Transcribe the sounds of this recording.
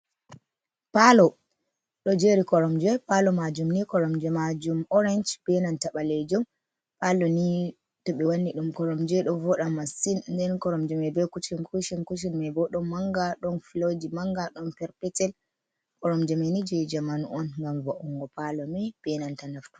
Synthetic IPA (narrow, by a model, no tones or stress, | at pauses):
palɔ | ɗɔd͡ʒeɾikɔɾɔmd͡ʒɛpalɔmad͡ʒumnikɔɾɔmd͡ʒɛmad͡ʒumɔɾɛnd͡ʒb̥ɛnantaɓalɛd͡ʒɔm | palɔni | tɔɓɛwanːiɗumkɔɾɔmd͡ʒɛɗɔvɔɗamːasinndɛnkɔɾɔmd͡ʒɛmɛbɛkut͡ʃinkuʃinkut͡ʃ̬inmɛbɔɗɔmːaŋɡaɗɔnfilod͡ʒimaŋɡaɗɔnpɛɾpɛtɛl | kɔɾɔmd͡ʒɛmɛnid͡ʒɛd͡ʒamanuɔnŋɡamvɔʔɔŋɡɔpalɔmib̥ɛnantanaftu̥